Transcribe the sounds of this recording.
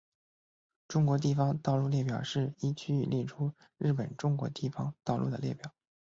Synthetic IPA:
ʈ͡ʂʊ˥ŋkwɔ˧˥t̪i˥˩fɑ˧˥ŋt̪ɑ˥˧ʊlu˥˧ljɛ˥˩pjɑ˨˩ʊʂɻ̩˥˩i˥t͡ɕʰy˥˧y˥˧˩ljɛ˥˩ʈ͡ʂʰu˥ | ɻɻ̩˥˩pə˨˩nʈ͡ʂʊ˥ŋkwɔ̰˧˥t̪i˥˩fɑ˥ŋt̪ɑ˥˧ʊlu˥˩d̪ə˩ljɛ˥˩pjɑ˨˩˦

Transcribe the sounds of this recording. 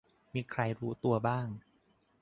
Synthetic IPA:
miː˧kʰɾa˧jɾuː˦˥t̪u˧ɐbaː˥˩ŋ

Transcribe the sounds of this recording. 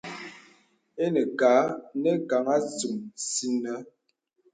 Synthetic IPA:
e˦nə˨ka˨˦nɛ˦ka˨˦ŋa˦t͡su˨msi˦nə˦

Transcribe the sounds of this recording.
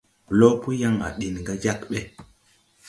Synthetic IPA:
lo˦pu˦ja˦ŋa̰˨ɗi˨nŋɡa˦d͡ʒa˦kɓe˦

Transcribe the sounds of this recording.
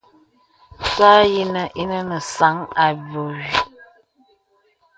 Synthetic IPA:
sa˦ji˦nə˦ʔi˦nə˦nə˨sa˨˦ŋa˨bo˨wi˨

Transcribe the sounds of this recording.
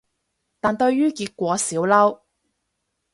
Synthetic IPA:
t̪aː˨nt̪ɵ˧ɥjyː˥kiː˧t̚kʷɔː˨˥siː˨˥wlɐ˥w

